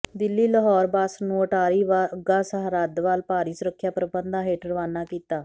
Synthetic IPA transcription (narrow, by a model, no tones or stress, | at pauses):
d̪ɪlːiːləɦɔːɾbaːsnũːəʈaːɾiːʋaɡãːsəɦɾəd̪ʋaːlpaːɾiːsʊɾəkʰːjaːpɾəbənd̪aːɦeːʈəɾəʋaːnaːkiːt̪aː